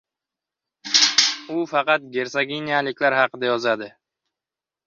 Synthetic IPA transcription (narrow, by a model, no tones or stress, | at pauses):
ʊfɑqɑt̪̚ɡʲe̞ɾsaɡʲinijalɪkʲlaɾhɑqɨd̪ajɒzad̪ɪ